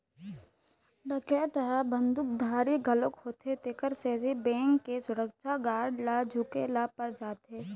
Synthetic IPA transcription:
ɖəket̪əɦɛbə̃nd̪ʊk̚d̪ʱaːɾiɡʱəlokhoːt̪et̪ekəɾsebʱibẽːŋkːesʊɾəkʃʰaɡaːɽlad͡ʒʱʊkelapəɾd͡ʒaːt̪ɦeː

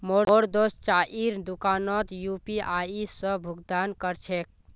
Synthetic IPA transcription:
mooɾd̪ost͡ʃaʔiɾd̪ukanɔt̪jupiʔaisə̃bʱuɡd̪ankəɾt͡ʃʰek̚

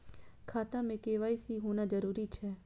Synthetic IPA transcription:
kʰaːt̪amẽkeːʋaːisiɦõːnad͡ʒəɾuːɾit͡ʃʰɛː

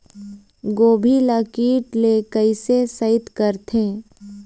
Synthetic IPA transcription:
ɡoːbʱiləkiːʈlekəɪsesəɪt̪kəɾt̪ʰẽː

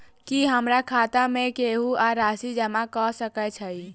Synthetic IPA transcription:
kiɦəmɾakʰat̪amẽkeɦuaɾasid͡ʒəmakɔsəkɛt͡ʃʰəi

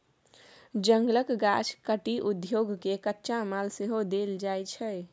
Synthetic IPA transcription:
d͡ʒəŋɡləkɡat͡ʃʰkəʈiʔud̪joɡkekətːʃamalseɦod̪eld͡ʒajt͡ʃʰəj

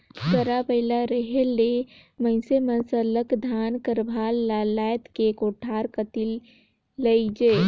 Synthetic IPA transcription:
kəɾapəɪlaɾəɦelːeməɪsemənsə̃ləkd̪ʱankəɾbʱalːalajt̪kekoʈʰaɾkət̪ilː | əjd͡ʒe

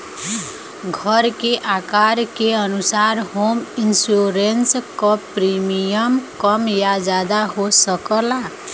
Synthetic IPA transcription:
ɡʱəɾkeʔakaɾkeənusaɾhominsuɾenskɔpɾimijəmkəmjad͡ʒad̪aɦosəkəla

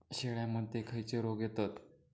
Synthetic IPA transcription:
ɕeɭjaməd̪ʱekʰəjt͡ɕeɾoɡjet̪at̪

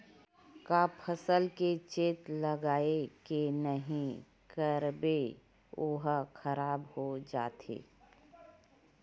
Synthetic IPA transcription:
kaːpʰəsəlket͡ʃeːt̪ləɡaːekenəɦĩ | kəɾbe | ʊɦxʰəɾaːbhod͡ʒa̰ːt̪ḛː

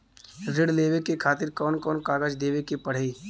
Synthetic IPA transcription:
ɾɪɽleːʋekekʰaːt̪ɪɾkɔːnkɔːnkaːɡəd͡ʒd̪eːʋekepɐɽ̤eː

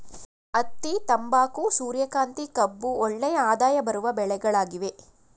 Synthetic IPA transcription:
ɐt̪ːit̪ɐmbaːkusuːɾjɐkaːnt̪ikɐbːuɔɭːɛjɐaːd̪aːjɐbɐɾuʋɐbɛɭɛɡɐɭaːɡiʋe

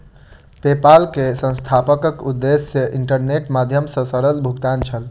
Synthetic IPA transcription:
pepalkesə̃nst̪ʰapəkəkud̪ːesjəʔiɳʈəɾneʈmad̪ʱjəmsə̃səɾəlbʱukt̪ant͡ʃʰəl

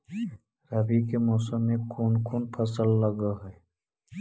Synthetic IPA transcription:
ɾɐbikemoːsəmːẽkʰuːnkʰuːnpʰəsəlːəɡaɦɛː

